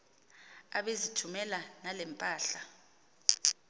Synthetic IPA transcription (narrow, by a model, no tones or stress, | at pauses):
aɓezitʰumɛlanalɛmpʼaːɬa